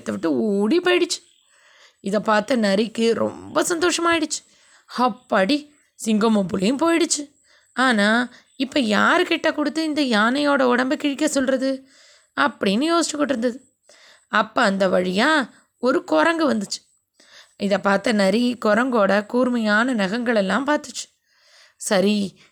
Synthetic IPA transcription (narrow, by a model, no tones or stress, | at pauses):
t̪ːɐʋɪʈːɯuːɽipoːjɪɽɯt͡ʃːɯ̥ | ɪðɐpaːɾt̪ɐnɐɾɪkːɯɾɔ̰mbɐsɐnd̪oːʂɐmaːɪɽɯt͡ʃːɯ̥ | hɐpːɐɽi | sɪŋɡomopʊlɐjɯ̃mpoːjɪɽɯt͡ʃːɯ | aːnaː | ɪpːɐjaːɾɯkɪʈːɐkʊɽɯt̪ːɯɪnd̪ɐjaːnɐjoːɽɐɔɽɐmbɐkɪɻɪkːɐsɔlɾɐðɯ | ɐpːɐɽɪnːɯjoːsɪt͡ʃːɐkːɔʈːɯɾɯnd̪ɐðɯ | ɐpːɐɐnd̪ɐʋɐɻɪjãː | ɔɾɯkɔɾɐŋɡɯʋɐnd̪ɯt͡ʃːɯ̥ | ɪðɐpaːɾt̪ɐnɐɾikɔɾɐŋɡoːɽɐkuːɾmɐjaːnɐnɐɣɐŋɡɐɭɛlːãːmpaːɾt̪ɯt͡ʃːɯ̥ | sɐɾi